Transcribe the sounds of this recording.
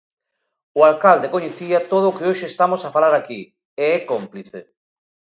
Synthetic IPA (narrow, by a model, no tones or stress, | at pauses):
ʊalkald̪ekoɲeθiat̪oð̞oːkeoʃeːst̪amosafalaɾaki | eɛkompliθe